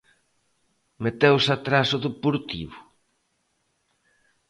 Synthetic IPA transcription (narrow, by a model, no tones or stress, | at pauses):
met̪ewsat̪ɾasʊðepoɾt̪iβʊ